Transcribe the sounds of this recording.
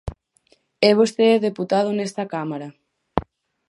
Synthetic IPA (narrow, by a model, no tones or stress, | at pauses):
ɛβost̪eɛðeput̪að̞onɛst̪ɐkamaɾɐ